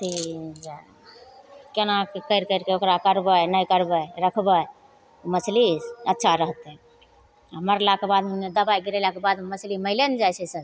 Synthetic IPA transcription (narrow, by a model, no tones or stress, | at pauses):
t̪ʰid͡ʒe | kenakekəjɾkəɪɾkeokɾakəɾbənəjkəɾbəɾəkʰbə | oməslisətːʃʰaɾəɦt̪ɛ | aməɾlakebad̪məned̪əbajɡiɾɛlakebad̪məsliməɪlend͡ʒajt͡ʃʰɛsəɾ